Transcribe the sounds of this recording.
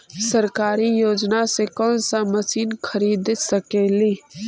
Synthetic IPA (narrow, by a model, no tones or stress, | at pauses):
səɾkaːɾijoːd͡ʒnasekɔ̃ːnsaməsiːnkʰəɾiːd̪ɪsəkeːliː